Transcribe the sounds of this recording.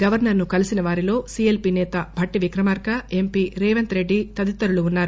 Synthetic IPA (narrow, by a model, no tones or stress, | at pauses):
ɡɐʋɐɾnɐɾnukɐlisinɐʋaːɾilo̞ːsielpinɛːt̪ɐbʱɐʈːiʋikɾɐmaːɾkɐe̞mpiːɾɛːʋɐnt̪ɾe̞ɖːit̪ɐd̪it̪ːɐɾuluːnːaːɾu